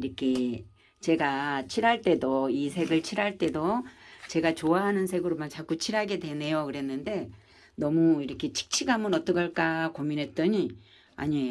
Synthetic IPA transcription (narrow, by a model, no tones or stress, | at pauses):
ɾʌkʰe̞ | t͡ɕe̞ɡat͡ɕʰiɾaɭt͈e̞doisʰe̞ɡɯɭt͡ɕʰiɾɦaɭt͈e̞dot͡ɕe̞ɡat͡ɕoaɦanɯnsʰe̞ɡɯɾomant͡ɕak͈ut͡ɕʰiɾɦaɡe̞dwe̞ne̞jokɯɾe̞nːɯnde̞ | nʌmuiɾʌkʰe̞t͡ɕʰi̥k̚t͡ɕʰiɡamɯnʌt͈ʌɡaɭk͈akominɦe̞t̚t͈ʌɲi | a̰ɲiejo